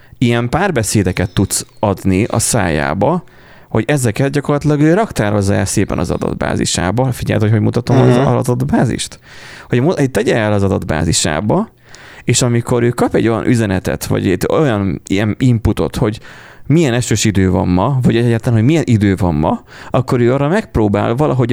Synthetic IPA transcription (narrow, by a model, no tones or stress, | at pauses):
ijɛmpaːrbɛseːd̪ɛkɛt̪ːut̪sɒd̪niɒ̰sa̰ːja̰ːbɒ | ho̞ɟɛzɛkɛt̪̚ɟɒko̞rlɒt̪ilɒɡøːɾɒkt̪aːɾo̞zːɒɛlseːpɛ̰nɒ̰zɒ̰d̪ɒ̰d̪ba̰ːzḭʃa̰ːbɒfiɟɛ̰lt̪ocho̞ɟmut̪ɒt̪o̞mɒɒɒd̪ɒd̪baːzḭʃt̪ | hoɟmut̪ɛɟɛɛlɒzɒd̪ɒd̪ba̰ːziʃa̰ːbɒ | eːʃɒmiko̞ɾøːkɒpɛɟːo̞jɒ̰nʔyzɛnɛt̪ɛ̰t̪ʋɒ̰ɟɛjɒnɛnimput̪o̞̰t̪ho̞ɟ | mijɛnɛʃøːʃid̪øːvɒ̰mːɒvɒɟɛɟaːt̪lanɦo̞ɟmijɛnʔid̪øːvɒmːɒ̰ɒkːo̞ɾøːɒːrɒmɛk̚proːba̰ːlvɒlʔɒɦo̞ɟ